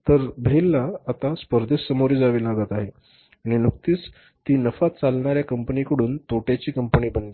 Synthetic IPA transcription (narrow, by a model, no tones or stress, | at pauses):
t̪əɾbʱelːaːt̪aspəɾd̪ʱesːəmoɾiːd͡zaʋiːlaɡət̪aɦe | aɽ̃inukt̪iːs | t̪iːnəfat̪̚t͡salɳaɾjakəmpənikəɽuːnt̪oʈjat͡ɕiːkəmpəniːbənd̪i